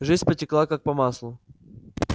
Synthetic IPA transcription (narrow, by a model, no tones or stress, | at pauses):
ʐɨzʲpətʲɪklˠakak̚pɐmaslˠʊ